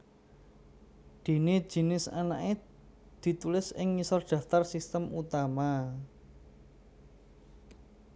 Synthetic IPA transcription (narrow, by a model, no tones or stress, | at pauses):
d̪̥e̤ne̥ʒ̥i̤nɪsana̰ʔe | d̪̥i̤t̪ulɪsɪŋːisɔrd̪̥ä̤ft̪arsist̪əmut̪ama